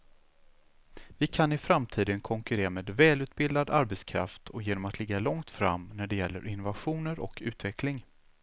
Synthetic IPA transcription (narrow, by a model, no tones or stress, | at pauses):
vɪkʰanɪfɾamt̪ʰiːd̪ənkʰɔŋkɵɾeːɾameːd̪vɛːlʉ̟ːt̪̚bɪld̪ad̪aɾbɛt̪skʰɾa̰ft̪ʰɔjeːnɔmat̪ʰlɪɡːalɔŋt̪fɾa̰mːnæɖɛjɛlːə̰ɾʔɪnːʊvaɧuːnəɾɔ̰kʰʉ̟ːt̪vɛklɪŋ